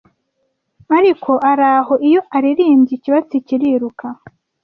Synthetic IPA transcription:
aɾikʰo̞ʔaɾaːɦo̞ʔijo̞aɾiɾiːmɟiciβat͡siciɾiɾukʰa

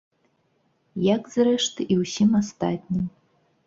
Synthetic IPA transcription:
jakz̥rɛʂt̪iwsʲimast̪a̰t̪ʲnʲim

